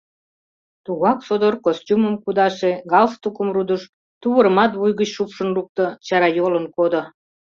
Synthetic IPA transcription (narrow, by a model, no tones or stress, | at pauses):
t̪uɣɑksod̪orkostʲuməmkud̪ɑʃeɣɑlst̪ukəmrud̪əʃ | t̪uβəɾəmɑt̪βujɣət͡ɕʃupʃənluk̚t̪ot͡ɕɑɾɑjolənkod̪o